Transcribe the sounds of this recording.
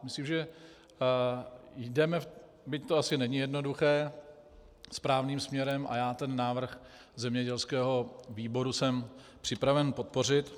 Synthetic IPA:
mɪsliːmʒɛ | jdɛmɛ | bɪc̚t̪oasɪnɛɲɪjɛdno̞duxɛː | spɾaːvniːmsmɲɛɾɛmʔa̰jaːt̪ɛnːaːvr̩x | zɛmɲɛɟɛlskɛːɦo̞viːbo̞ɾusɛm | pr̥ɪpɾavɛnpo̞t̪̚po̞r̝ɪt̪

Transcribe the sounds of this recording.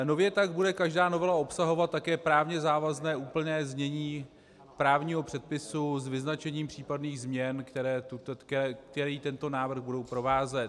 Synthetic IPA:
no̞vjɛt̪aɡbudɛkaʒdaːno̞vɛlao̞psaɦo̞vat̪̚ːakɛːpɾaːvɲɛzaːvaznɛːʔuːpl̩nɛːzɲɛɲiː | pɾaːvɲiːɦo̞pr̥ɛt̪̚pɪsuzvɪznat͡ʃɛɲiːmpr̝̥iːpadniːɣzmɲɛnkt̪ɛɾɛːt̪ut̪kɛk̚t̪ɛɾiːt̪ɛnt̪o̞naːvr̩ɣbudo̞wpɾo̞vaːzɛt̪

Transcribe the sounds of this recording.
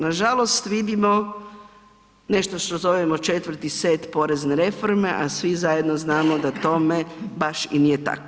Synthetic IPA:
naʒalˠo̞st̪ʋid̪imo | ne̞ʃt̪oʃt̪ozoʋemot͡ʃe̞t̪ʋɾt̪iseːt̪po̞ɾezneɾe̞fo̞ɾme̞ʔasʋizajed̪noznaːmod̪at̪o̞me̞baʃinijet̪a̰ko

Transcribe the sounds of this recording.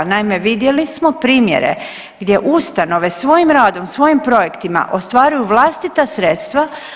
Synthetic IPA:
naime̞ʋid̪je̞lismo̞pɾiːmje̞̰ɾe̞̰ | ɡd̪je̞ʔust̪ano̞ʋe̞sʋo̞jimɾaːd̪o̞msʋo̞jimpɾo̞je̞kt̪ima̰ʔo̞st̪ʋaːɾujuʋlˠast̪it̪asɾe̞ːt̪st̪ʋa

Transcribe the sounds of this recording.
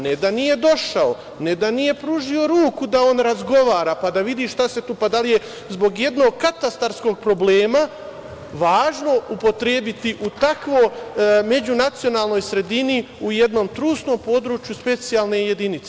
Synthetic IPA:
ned̪anije̞d̪o̞ʃao̞ | ne̞d̪anije̞pɾuːʒio̞ɾuːkud̪ao̞nɾazɡo̞ʋaːɾapad̪aʋid̪iːʃʃt̪ase̞t̪uːpad̪alije̞ | zbo̞ɡje̞d̪no̞ːɡ̚kat̪ast̪aɾsko̞ɡ̚pɾo̞ble̞ːma | ʋaːʒno̞upo̞t̪ɾeːbit̪iʔut̪akʋo̞jme̞d͡ʑunat̪sijo̞naːlˠno̞jsɾe̞d̪iniujed̪no̞ːmt̪ɾuːst̪no̞ːmpo̞ːd̪ɾuːt͡ʃjuspe̞t̪sijalˠne̞je̞d̪init̪se

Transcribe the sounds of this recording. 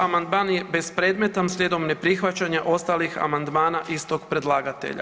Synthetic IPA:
amand̪maːnjebe̞spɾe̞ːd̪me̞t̪amsʎʲed̪omne̞pɾixʋat͡ɕaɲaʔo̞st̪alixa̰mand̪maːnaʔist̪o̞ɡpɾe̞d̪lˠaːɡat̪ḛʎa̰

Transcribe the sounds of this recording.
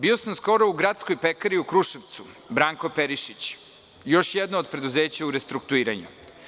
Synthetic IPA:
bio̞samsko̞ɾo̞uɡɾat̪skojpekaɾiukɾuʃeʋt̪su | bɾaːŋko̞peɾiʃit͡ɕ | jo̞ʃjed̪nooːd̪̚pɾe̞d̪uzeːt͡ɕauɾest̪ɾuk̚t̪uiːɾaɲṵ

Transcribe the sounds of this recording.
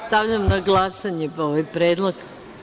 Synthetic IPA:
st̪aʋʎamnaɡlˠasaɲepooʋajpɾeːd̪lˠoɡ

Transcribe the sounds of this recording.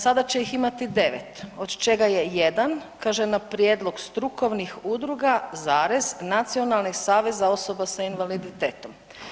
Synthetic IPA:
sad̪at͡ɕejiximat̪id̪e̞ʋet̪od̪t͡ʃe̞ɡajejed̪ankaʒenapɾjeːd̪lˠo̞ɡst̪ɾuko̞ʋnixud̪ɾuɡazaːɾeznat̪sio̞nalˠniɡsaːʋe̞zao̞so̞basainʋalid̪it̪eːt̪o̞m

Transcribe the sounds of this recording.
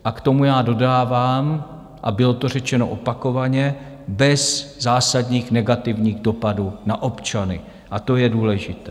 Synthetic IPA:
ʔakt̪o̞mujaːdo̞daːvaːm | ʔa̰bɪlo̞t̪o̞rɛt͡ʃɛno̰ʔo̞pako̞vaɲɛ | bɛzzaːsadɲiːxnɛɡat̪ɪvɲiːɣdo̞paduːnaʔopt͡ʃanɪ̰ | ʔat̪o̞jɛduːlɛʒɪt̪ɛ

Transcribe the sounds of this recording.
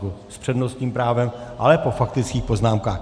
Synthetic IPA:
uspr̝̥ɛdnost̪ɲiːmpɾaːvɛmʔa̰lɛpo̞fakt̪ɪt͡skiːxpo̞znaːmkaːx

